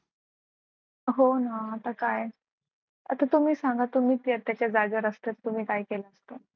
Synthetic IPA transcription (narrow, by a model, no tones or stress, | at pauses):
ɦonaət̪ʰakaj | ət̪ʰat̪um̤iːsaŋɡat̪um̤iːt̪iːət̪jat͡ɕad͡zad͡ʑəɾəst̪et̪t̪um̤iːkaikelaəst̪o